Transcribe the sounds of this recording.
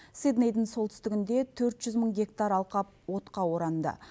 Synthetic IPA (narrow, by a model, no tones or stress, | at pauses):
sid̪nejd̪əɴso̞lˠt̪ʰʏ̥st̪ɪɡʲɪnd̪e̞t̪ʰɵɾt̪ʒ̥ʏzməɴɡʲe̞kt̪aɾɑlˠqɑp̚wo̞t̪qɑwo̞ɾɑnd̪ə̰